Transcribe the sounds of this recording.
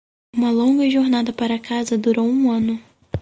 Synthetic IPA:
ũmɐlõŋɡɐʒoɾnad̪ɐpaɾɐkazɐd̪uɾowũɐ̃nʊ

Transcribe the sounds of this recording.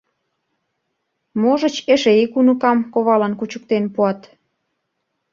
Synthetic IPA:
moʒə̆t͡ɕeʃeikunə̆kɑmkoβɑlɑnkut͡ɕə̆k̚t̪enpuɑt̪

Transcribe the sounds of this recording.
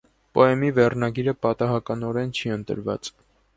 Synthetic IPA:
pɔɛmivɛrnɑɡiɾəpɑt̪ɑɦɑkɑnɔɾɛnt͡ʃʰiənt̪ə̰ɾvɑ̰t͡s

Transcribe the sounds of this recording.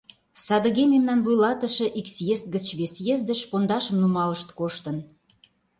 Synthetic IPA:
sɑd̪əɣememnɑnβujlɑt̪ə̆ʃĕʔiksjest̪̚ɡət͡ɕβesjezd̪ə̆ʃpond̪ɑʃə̆mnumɑləʃt̪koʃt̪ə̆n

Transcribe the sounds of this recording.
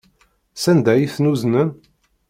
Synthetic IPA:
sænd̪æjiθnuznən

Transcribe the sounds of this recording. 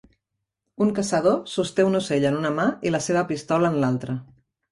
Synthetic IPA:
uŋkəsəðosust̪eunuseʎənunəmailəseβ̞əpist̪ɔləːnlalˠt̪ɾə

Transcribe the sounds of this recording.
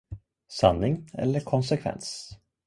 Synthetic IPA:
sa̰nːɪŋɛ̰lːəɾkʰɔnsɛkʰvɛ̰ns

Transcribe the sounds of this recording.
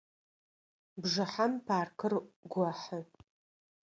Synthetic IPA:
bʐɨħampʰaːrkʰɨrɡʷaħə

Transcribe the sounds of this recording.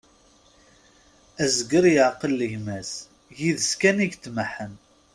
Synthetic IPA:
æzɡəɾjəʕqəlːəʝmæs | jiðəskæniʝt̪ːməħən

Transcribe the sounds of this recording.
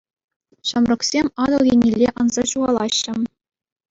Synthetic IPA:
ɕɑmrɤ̆ksʲemʲɑd̪ɤ̆lˠɣʲenʲelʲːeʔɑnzɑɕuʁɑlˠɑɕːɘ̆

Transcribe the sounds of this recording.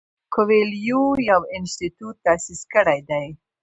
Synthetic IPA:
kʊweljujawɪnst̪it̪ut̪ːasiskəɽajd̪aj

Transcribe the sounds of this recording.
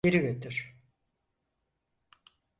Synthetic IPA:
eɾivøt̪ʰyɾ̥

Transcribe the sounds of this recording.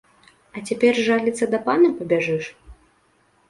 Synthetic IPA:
ɐt͡sʲapʲɛrʐalʲit̪sːɐd̪ɐpanɐpɐbʲaʐɨʂ

